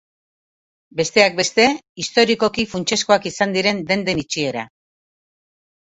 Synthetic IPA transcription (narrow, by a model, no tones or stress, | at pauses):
be̞st̪e̞ak̚be̞st̪e̞ist̪o̞ɾiko̞kifunt͡ʃe̞sko̞akisand̪iɾe̞nd̪e̞nd̪e̞nit͡ʃie̞ɾa